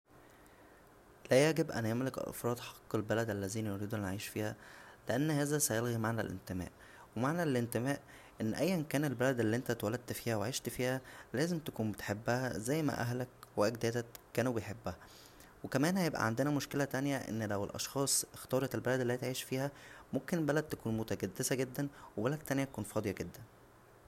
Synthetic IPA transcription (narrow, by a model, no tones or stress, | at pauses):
læjæɡebʔæ̰njæmlekʔʔɑ̰fɾˤɑːd̪ħɑqːelbælæd̪ʔælːæziːnijoɾiːd̪uʔænʕiːʃfiːhæleʔænːhæːzæsæjelɣimaʕnæ̰lʔḛnt̪emæ̰ːʔ | wemaʕnælʔent̪emæːʔ | ʔenːʔæjːænkæːnelbælæd̪elːiːʔent̪æt̪wælæd̪̚t̪fiːhæweʕiːʃt̪fiːhælæːzemt̪ækuːnbet̪ħebːæhæzæjːmæ̰ʔæ̰ɦlækweʔæɡ̚d̪æːt̪æːæːnubejħebːæhæ | wekæmæːnhæjebʔæ̰ʕand̪enæmoʃkelæt̪ænjæʔḛnːlæwelʔɑ̰ʃxɑːsˤext̪ɑːɾˤɑt̪elbælæd̪elːhiːt̪ʕiːʃfiːhæmomkenbælæd̪̚t̪ækuːnmot̪æɡæd̪ːesæɡed̪ːænwebælæd̪̚t̪ːænjæt̪ækuːnfɑːd̪ˤejɑɡed̪ːæn